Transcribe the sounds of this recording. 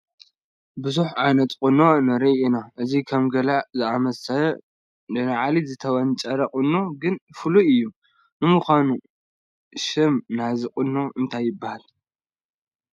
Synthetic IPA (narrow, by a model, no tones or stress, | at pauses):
bɨzuħʕanɐt̪ʼkʼɨnːo̞nɐɾiinaʔɨzikʰɐmɡɐlazɨamɐsɐlɐ | nɐnaʕalizɨt̪ʰɐwɐnt͡ʃʼɐɾɐqʼɨnːoɡɨnfɨluɨjːu | nɨmuxʷanu | ʃɪmnaziqʼʊnːoʔɨnt̪ʰajːɪbːahal